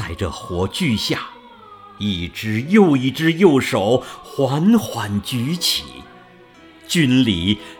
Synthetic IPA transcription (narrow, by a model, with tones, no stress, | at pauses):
a˥˧ɪʈ͡ʂə̰˩xwɔ˧˥t͡ɕy˥˧ɕja˥˩ | i˥˩ʈ͡ʂɻ̩˥jo˥˧ʊi˥˩ʈ͡ʂɻ̩˧˥jo˥˩ʊʂo˨˩˦ʊxwa˧˥nxwa˧˥nt͡ɕy˧˥t͡ɕʰḭ˨˩˦ | t͡ɕy˥nli˨˩